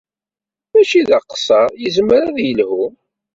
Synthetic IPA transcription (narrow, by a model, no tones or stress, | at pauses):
mæʃiðəqsˤɑjəzməɾæðjəlhu